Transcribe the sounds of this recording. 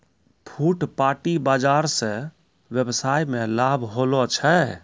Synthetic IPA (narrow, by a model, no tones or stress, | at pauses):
pʰuːʈpaːʈibaːd͡ʒaːɾse | ʋjebsaːjmẽlaːbʱɦoːlot͡ʃʰɛ